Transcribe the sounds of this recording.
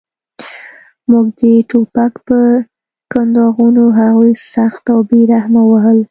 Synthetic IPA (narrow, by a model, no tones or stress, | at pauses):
muɡ̚d̪əʈopakpə | kand̪ɑɣunoɦaɣujsaxt̪awbeɾahmawaɦəl